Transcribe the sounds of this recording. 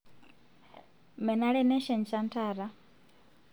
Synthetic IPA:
mɛ˨na˦ɺɛ˦nɛ˦ʃɛ˨nt͡ʃa˦ntʰaː˨ɾa˦

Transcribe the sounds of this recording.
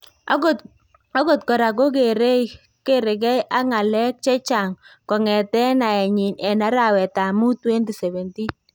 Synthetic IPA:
a˦ɡɔ˨tkɔ˨ɾa˨ɡo˦ɡe˨ɾe˦ | ke˦ɾɪ˨ɡɛ˦jʔa˦ŋa˨lɛ˦k̚t͡ʃɛ˦t͡ʃa˨ŋkɔ˨ŋɛ˨tɛ˦na˨ɛ˨ɲɪ˨nɛ˨na˦ɾa˨wɛ˨ta˨mu˦twe˦nti˨sɛ˨βɛ˨nti˦

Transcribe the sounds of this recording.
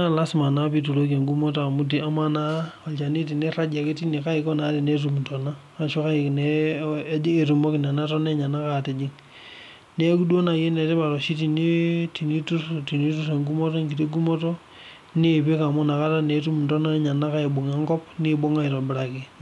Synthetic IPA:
a˦la˦si˨ma˨na˦pi˦t̬u˨lo˦ka˨ŋɡu˦mo˦to˦a˨mu˦t̬i˨a˦ma˨na˦ | a˨lt͡ʃa˨ni˦t̬i˨ne˦ra˦d͡ʒa˨ki˦ti˦ni˨ka˦ikɔ˦na˨˦ɾe˨ne˦t̬u˦mtɔ˨naː˦˨ʃo˦ka˦i˨knɛ˦d͡ʒi˦e˨tu˨mɔ˦ki˨na˨na˦tɔ˦ne˦ɲa˨na˦ka˦˨te˨d͡ʒi˦ŋ | ne˦ku˦dwo˦na˨je˦nɛ˨te˦pa˨ɾɔ˨ʃi˦ti˨ni˦ti˨ni˦tu˦ti˨ni˦tu˦s̬e˨ŋɡu˦mɔ˦tɔ˦ŋɡi˨ti˦ɡu˦mɔ˦tɔ˦ | ne˦˨pe˦ka˨mu˦na˨ka˦ta˦ne˨˦tu˦m˨ntɔ˦na˦ɲa˨na˦ka˦i˨ɓo˨ŋa˦ŋkɔ˦p̚ni˦ɓo˦ŋa˦i˨ɾo˨bɪ˨ɾa˨ke˨

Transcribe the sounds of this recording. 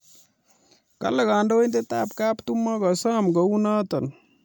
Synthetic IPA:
ka̰˦le˨ka˨ndo˦ind̪e˦t̪aːpka˦pt̪umːɔ˦ka˨sa˦mɡə˨una˦t̪ɐ˨n

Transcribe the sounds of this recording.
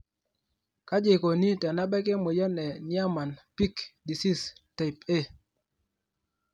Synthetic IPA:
ka˦d͡ʒɪ˨ko˨ni˦tɛ˨na˦ɓɛ˦ke˦mo˨jɔ˦nɛ˨nja˦ma˨npi˦kdi˨si˦sta˨pe˦

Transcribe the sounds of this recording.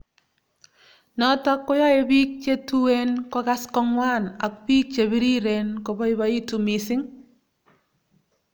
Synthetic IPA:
nɔ˦tɔ˦kːɔ˦jɔ˦e˦bi˦k̚t͡ʃe˦tuwe˦nkɔ˦ka˦skɔ˦ŋwa˦na̰˨k̚piː˦k̚t͡ʃe˨bi˦ɾi˦ɾe˨nkɔ˨bɔ˦i˦ba˦i˦tu˨mi˨sɪ˦ŋ

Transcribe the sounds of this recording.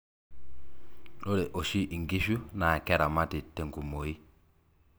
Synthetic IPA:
ɗo˦ɾɛ˨ʔo˨ʃi˦ʔi˨ŋɡi˦ʃu˦na˨kɛ˦ɾa˨ma˦ti˨te˨ŋku˨mo˨i˦

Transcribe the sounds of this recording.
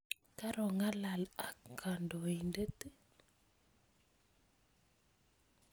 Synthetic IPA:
ka˦ɾɔ˨ŋa˦la˨la˨kːa˨ndɔ˨i˨ndə˦t̪ə˦

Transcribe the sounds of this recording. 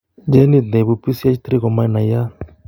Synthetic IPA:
d͡ʒɛ˦ni˨d̪nɛ˨bu˨pi˦si˦a˦t͡ʃi˦t̪ɾi˦kɔ˨ma˦i˦na˨ja˦

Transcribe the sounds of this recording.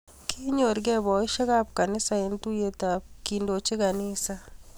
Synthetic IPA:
kʰi˦ɲo˨ɾɡɛ˦βɔ˨i˦ʃe˦ka˦p̚ka˨nɪ˦sae˨ntu˦je˨tap̚kindo˨t͡ʃi˦ka˨nisa

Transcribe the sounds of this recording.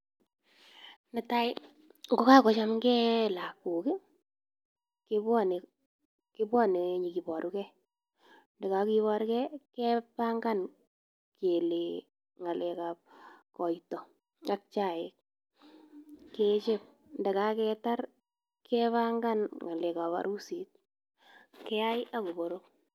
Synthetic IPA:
na˨ta˦j | ŋɡo˦ka˦kɔ˨t͡ʃa˦mkɛ˦la˨ku˨kɪ˦ | kɪ˦bwɔ˦ne˨ | ki˦bwɔ˦ne˨ɲi˨ki˨bɔ˨ɾʔu˦kɛ˦ | ndɛ˨ka˨ki˦βɔ˦ɾkɛ˦kɛpaŋɡa˦n | kʰe˨le˨ | ŋa˨lɛ˨kap̚kɔ˨itɔ˨ | a˦k̚t͡ʃa˨ɪ˨k̚ | ke˦t͡ʃe˦p̚ | ndɛ˨ka˦kɛta˦ɾ | kʰɛβa˦ŋɡa˦nŋa˨lɛ˨ka˨pa̰˨ɾu˦si˨t̚ | kɛ˦a˦jʔa˦ko˨bo˨ɾo˦k̚

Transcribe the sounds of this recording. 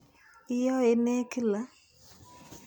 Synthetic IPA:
ɪ˦jɔ˦e˨me˦ki˦la˨˦

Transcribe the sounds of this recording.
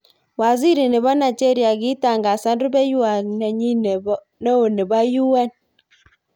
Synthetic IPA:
wa˨zi˦ɾi˨ne˨βa˦na˨d͡ʒe˦ɾi˨˦a˨ɡi˦ta˨ŋɡa˨sa˦n˦du˦bɛ˦ju˦a˨nɛ˨ɲi˦ne˨b | ne˦o˨ne˨ba˦ju˦wɛ˦n

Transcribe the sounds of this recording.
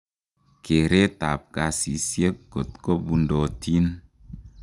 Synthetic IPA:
ke˨ɾe˦ta̰˨p̚ka˧si˨sje˦kko˨tkɔ˦bu˧ndɔ˧ti˦n

